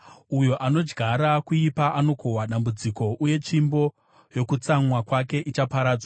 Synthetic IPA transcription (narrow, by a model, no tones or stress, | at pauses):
ujo̞ʔano̞d͡ʒɡʱaɾakuipaʔano̞kʰo̞ɦwaɗambud͡ziko̞ʔuje̞t͡ʃimbo̞ | jo̞kut͡saŋwakwake̞ʔit͡ʃapaɾaːd͡zwa